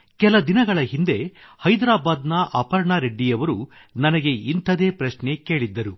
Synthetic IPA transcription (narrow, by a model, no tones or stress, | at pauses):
kɛlɐd̪inɐɡɐɭɐɦind̪e̞hɐjd̪ɾaːbaːd̪nɐʔɐpɐɾɳaːɾe̞ɖːijɐʋɐɾu | nɐnɐɡe̞int̪ʰɐd̪e̞ːpɾɐʃne̞ke̞ːɭid̪ːɐɾu